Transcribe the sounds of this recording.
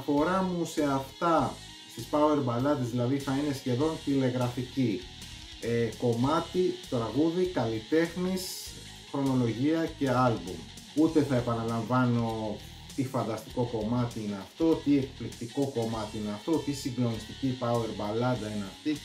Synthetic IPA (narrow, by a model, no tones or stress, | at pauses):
ɐfo̞ɾɐmuse̞ɐft̪ɐ | st̪ispɐue̞ɾbɐlɐd̪ezðilɐðiθɐine̞sçe̞ðo̞nt̪ile̞ɣɾɐfici | eko̞mɐt̪it̪ɾɐɣuðikɐlit̪e̞xnis | xɾo̞no̞lo̞ʝiɐce̞ɐlbṵm | ut̪e̞θɐe̞pɐnɐlɐɱvɐno̞ | t̪ifɐnd̪ɐst̪i̥ko̞ko̞mɐt̪iine̞ɐft̪o̞t̪iekplikt̪iko̞ko̞mɐt̪iineɐft̪o̞t̪isiŋɡlo̞nist̪icipɐue̞ɾbɐlɐd̪ɐineɐft̪i